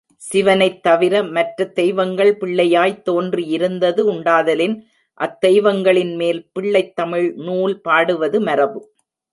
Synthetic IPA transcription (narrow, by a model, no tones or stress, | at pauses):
sɪʋɐnɐɪt̪ːɐʋɪɾɐmɐʈrɐt̪ɛjʋɐŋɡɐɭpɪɭːɐjaːjt̪ːoːndriɪɾɯnd̪ɐðɯʊɳɖaːðɐlɪn | ʔɐt̪ːɛjʋɐŋɡɐɭɪnmeːlpɪɭːɐɪt̪ːɐmɪɭnuːlpaːɽɯʋɐðɯmɐɾɐʋɯ